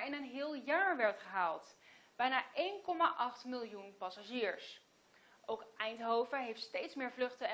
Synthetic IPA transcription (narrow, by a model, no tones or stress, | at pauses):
ɪnənɦɪːlˠjaːɹʋɛɹtχəɦaːlˠtb̥ɛjnaːʔejnkɔma̰ːʔɑχtmɪlˠjunpɑsaʒiːɹs | ʔowkɛjntɦowvəɦejftstejtsmɪːɹvlɵχtə